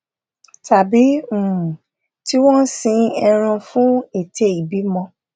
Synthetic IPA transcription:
ta˨bi˨˦u˨ | ti˦w̃ɔ̃˦sĩ˧ɛ˧ɾ̃ã˧fũ˦e˨tʰe˨˦i˨bi˨˦mɔ̃˧

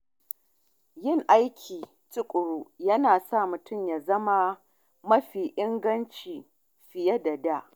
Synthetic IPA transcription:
jɪ˦ŋʔa˦jkʲʰiː˨ | t͡ʃɪ˦kʷʼʊ˨ɽuː˦jɐ˦naː˨sa˦˨mʊ˨tʊ˦˨mjaː˨zɐ˦ma˦ | mɐ˦ɸiː˨ʔɪ˦ŋɡɐ˦nt͡ʃiː˨ | ɸɪ˨jɐ˦da˨da˦ʔ

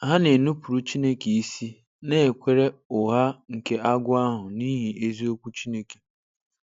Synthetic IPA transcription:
ɦa˦ne˨nu˦pu˨ɾu˦t͡ʃi˦ne˦ke˨i˦si˦ | ne˦˨e˨kʷe˦ɾe˦ʊ˨ɦa˦ŋ̩˨ke˦a˦ɡʷʊ˦a˦ɦʊ˨niː˦ɦi˨ʔe˦zi˦o˦kʷu˦t͡ʃi˦ne˦ke̥˨

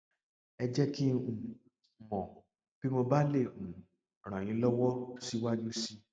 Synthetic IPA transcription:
ɛ˧d͡ʒɛ˦ki˦ũ˨ | mɔ̃˨ | b̥i˦mo˧ba˦le˦˨ũ˨ | ɾ̃ã˨j̃ĩ˨˦lɔ˦wɔ˦si˦wa˦d͡ʒu˦si˦

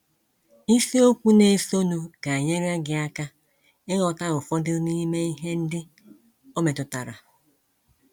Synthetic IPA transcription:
i˦si˦o˦kʷu˦ne˨so˦nu˨ɡa˨ɲe˦ɾa˦ɡɪ˨a˦ka˦ | ɪ˦ŋɔ˨ka˦ɾʊ˨fɔ˦dɪ˦ni˦me˦i˦ɦe˦n̩˦dɪ˦ | o˦me˨tʊ˨ta̰˨ɾa̰˨

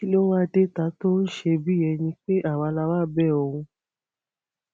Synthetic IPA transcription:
i˦lo˦wa˦de˦˨ta˨˦to˦n̩˦ʃe˧bi˦jɛ˧˨nĩ˧k͡pe˦ʔa˦˨wa˧la˧wa˦˨bɛ˦˨ɔ˧ɾũ˧

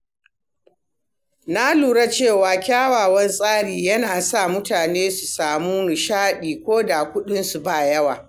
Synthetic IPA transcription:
na˦luː˨ɽa˦t͡ʃeː˦˨waː˨kʲaː˦waː˨wɐ˦nsʼaː˦ɽiː˨jɐ˦naː˨sa˦˨mʊ˦taː˨neː˦su˨saː˨muː˦nʊ˨ʃaː˦ɗiː˨kʷoː˦da˨kʷʊ˦ɗɪ˦nsu˨ba˦˨jɐ˦waː˨

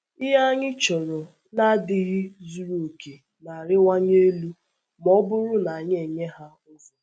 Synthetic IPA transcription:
ɪ˦ɦa˦ɲɪ˦t͡ʃɔ˨ɾɔ˨ | na˦dɪ˨ɣɪ˦zu˨ɾo˨o˨ke˨ | na˨ɾɪ˦wa˦ɲe˦lu˦ | mɔ˦bʊ˦ɾʊ˦na˨a˨ɲe˨ɲe˦ɦa˦ | ʊ˦sɔ˦

